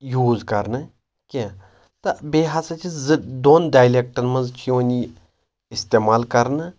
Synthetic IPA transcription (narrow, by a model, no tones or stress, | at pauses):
juːzkɐɾnɨ | kʲẽ | t̪ɐbeːɦɐsɐt͡ʃʰid̪oːnɖaːjleːk̚ʈɐnmɐnzt͡ʃjõːnʲi | ɪst̪eːmaːlkɐɾnɨ